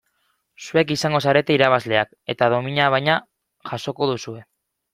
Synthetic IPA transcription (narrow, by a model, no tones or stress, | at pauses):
sue̞kisaŋɡo̞saɾe̞t̪e̞iɾaβazle̞ak | e̞t̪að̞o̞miɲaβ̞ajɲa | ʝaʃo̞ko̞ðusue̞